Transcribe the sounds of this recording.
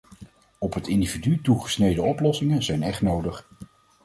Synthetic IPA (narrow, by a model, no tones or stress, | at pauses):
ɔpɦətɪndividytuχə̥snejdəɔplɔsɪŋənzɛjnɛχtnowdəχ